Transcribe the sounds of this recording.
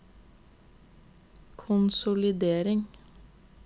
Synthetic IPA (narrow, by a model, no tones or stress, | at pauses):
kʰʊnsʊlɪd̪eːɾɪŋ